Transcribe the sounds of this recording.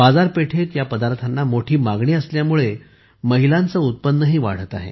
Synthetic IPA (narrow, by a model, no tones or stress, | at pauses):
bad͡zaɾpeʈʰet̪japəd̪aɾt̪ʰanːamoʈʰiːmaɡɳiːəsljamuɭe | məɦilãnt͡səut̪̚pənːəɦiːʋa̰ɽ̤ət̪a̰ɦḛ